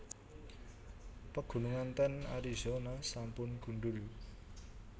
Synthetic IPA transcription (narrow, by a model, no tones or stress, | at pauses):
pəɡ̥ṳnuŋant̪əna̰ɾizonasampʊnɡ̥ṳɳɖʊl